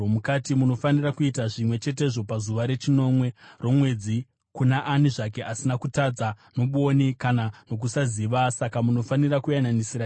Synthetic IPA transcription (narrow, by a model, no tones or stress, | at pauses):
mukatimuno̞fanirakuitaʐimwe̞t͡ʃe̞t̬e̞ʐo̞pazuʋaɾe̞t͡ʃino̞mwe̞ro̞mwe̞d͡zi | kunaʔːniʐake̞ʔasinakutad͡za | no̞ɓuonikanano̞k̬usaziʋasakamuno̞fanirakujananisiɾa